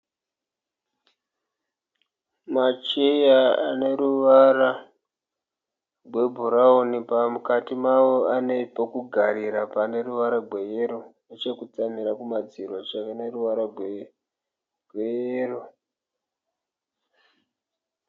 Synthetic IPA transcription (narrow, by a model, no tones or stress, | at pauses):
mat͡ʃejaane̞ɾuʋaɾa | ɡwe̞bʱuɾaonipamukatimawo̞ane̞pokuɡʱaɾiɾapane̞ruʋaɾaɡwe̞jeɾonet͡ʃekut͡saniɾakumad͡zirwat͡ʃaʋeneruʋaɾaɡwe | ɡʱwejero